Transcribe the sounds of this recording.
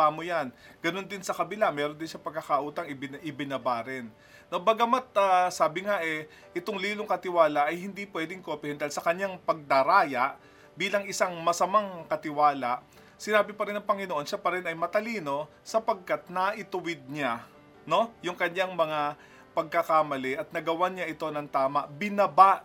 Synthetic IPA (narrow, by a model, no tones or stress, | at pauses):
aːmojanɡ̥ɐno̞nd̪ɪnsɐkɐbɪlamɛːɾond̪ɪnʃɐpɐɡ̚kɐkɐʔuːt̪ɐŋɪbɪnʔɪbɪnɐbaɾɪnː | obɐɡɐmat̪̚asaːbɪŋaʔɛ | ʔɛt̪oŋliːloŋkɐt̪ɪwaːlɐʔɐjhɪnd̪ipwɛːd̪ɪŋkoːpɪhɛnd̪ɐlsɐkɐɲaŋpɐɡ̚d̪ɐɾaːjɐʔ | biːlɐŋʔɪsaŋmɐsɐmaŋkɐt̪ɪwaːlɐʔ | sɪnaːbɪpɐɾɪnɐŋpɐŋɪnoʔo̞nʃapɐɾɛnɐjmɐt̪ɐliːno̞ | sɐpɐɡ̚kat̪̚nɐʔɪt̪ʊwɪd̪̚ɲa | no̞jʊŋkɐɲːaŋmɐŋa | pɐɡ̚kɐkamɐlɛʔɐt̪̚nɐɡɐwaɲaʔɪt̪o̞nɐŋt̪aːmɐʔbɪnɐbaʔ